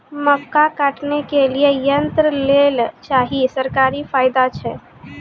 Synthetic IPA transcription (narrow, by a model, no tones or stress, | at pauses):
məkːakaʈnekeliejənt̪ɾəlelt͡ʃaːɦisəɾkaːɾifʰaːɪd̪at͡ʃʰɛ